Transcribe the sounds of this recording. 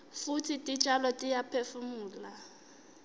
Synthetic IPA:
futʰitʼit͡ʃʼalɔtʼijapʰefumuːla

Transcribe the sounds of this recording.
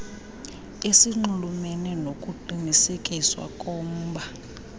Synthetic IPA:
esiŋ͡ǃulumɛnɛnokʼuǃinisekʼiswa̰kʼɔːm̩ːɓʱa

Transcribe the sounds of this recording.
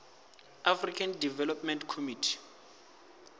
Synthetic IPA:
afrikʰandivɛlɔpmɛ̃ntkʰomitʰi̥

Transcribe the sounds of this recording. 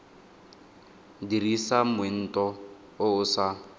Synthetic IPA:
dirisamen̩tʼɔ | ʊʊsa

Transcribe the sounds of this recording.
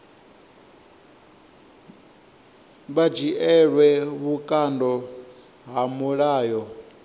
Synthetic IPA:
βad͡ʒiʔɛɺwɛβukʼandɔ | ɦamuɺaːjɔ

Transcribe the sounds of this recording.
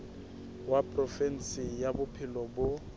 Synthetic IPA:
wapʼrɔfɛn̩sɪjabʊpʰɪlɔbʊ

